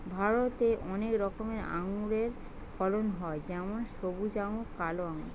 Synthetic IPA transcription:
bʱaɾot̪eʔɔnekɾɔkomeɾa̰ŋuɾeɾ | fʰɔlonɦɔed͡ʑɛmonʃobud͡ʑaŋokaloaŋuɾ

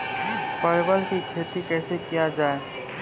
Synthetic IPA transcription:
pəɾbəlkikʰet̪ikɛːsekijad͡ʒae

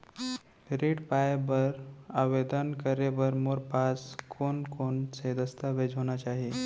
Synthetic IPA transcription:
ɾeʈpajbəɾaʋed̪ənkəɾeʋəɾmoɾpaskʰonkonsed̪əst̪ʰəʋed͡ʑʱɦoñat͡ɕaɦi

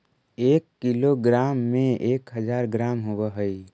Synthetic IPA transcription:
ekːiloɡɾamːẽekɦəd͡ʒaɾɡɾamɦobɛɦəj

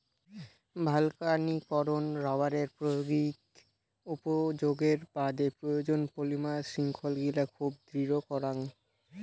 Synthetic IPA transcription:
bʱalkanikɔɾonɾaaɾeɾpɾojoɡik | upod͡ʑoɡeɾbad̪epɾojod͡ʑonpolimaʃiŋkʰolɡilakʰub̚d̪ɾiɾokɔɾaŋ

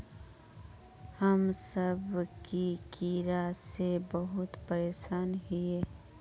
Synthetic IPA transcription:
həmsəbkikiːɾasebəɦʊt̪pəɾeːʃaːnɦieː

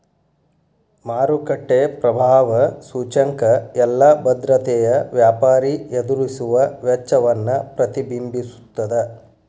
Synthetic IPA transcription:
maːɾukɐʈːeːpɾɐbʱaːʋɐsuːt͡ʃɐŋkɐɛlːɐbɐd̪ɾɐt̪ɛjɐʋjaːpaːɾied̪uɾisuʋɐʋɐt͡ʃːɐʋɐnːɐpɾɐt̪ibimbisu̥t̪ːɐd̪ɐ

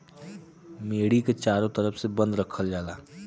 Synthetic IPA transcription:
meːɽiket͡ʃaːɾõt̪əɾəfʰsebə̃nd̪ɾəkʰəld͡ʒaːlaː

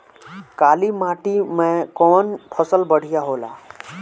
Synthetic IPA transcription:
kaːlimaːʈimẽkɔːnpʰəsəlbəɽ̤ʱijaɦoːla̰ː

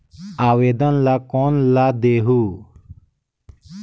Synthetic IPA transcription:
aːweːd̪ənlakoːnlad̪eːɦuː

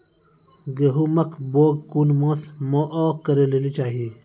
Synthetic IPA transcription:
ɡeɦumɐkʰboːɡ̚kuːnmãːsmoːʔoːkɐɾeleːlit͡ʃaːɦii

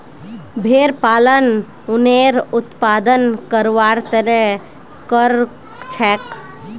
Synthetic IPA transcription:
bʱeɾpaːlən | ʊneɾʊt̪pad̪ənkəɾʋaɾt̪əɾɛ | kəɾ | t͡ʃʰɛːk

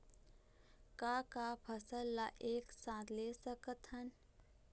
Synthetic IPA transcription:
kaːkapʰəsəlːaʔeːksaːt̪leːsəkət̪ɦən

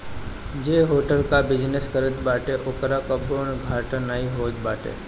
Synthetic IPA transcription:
d͡ʒeːɦoːʈəlkabɪd͡ʒneskəɾət̪baːʈeʔʊkɾakɐbonɡʱaːʈənaiɦoːd͡ʒ̪baːʈḛː

